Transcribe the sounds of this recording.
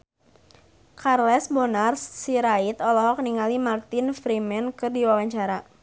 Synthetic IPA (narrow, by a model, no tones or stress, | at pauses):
kʰarlɛsbɔnarssiɾait̪ɔlɔɦɔk̚niŋalimart̪ɪnfɾimɛnkɨrdiwawaɲt͡ʃaɾa